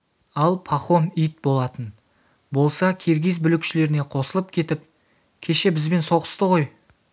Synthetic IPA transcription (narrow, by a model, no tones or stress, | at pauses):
ɑlˠpʰaχo̞mijt̪̚bo̞lˠɑt̪ən | bo̞lˠsɑkʲʰe̞ɾɡʲez̬bʏlɪkʃɪle̞ɾɪne̞qʰo̞səlˠəp̚kʲʰe̞t̪ɪp̚ | kʲʰe̞ʃe̞bɪzbe̞nso̞ʁə̥st̪əʁo̞j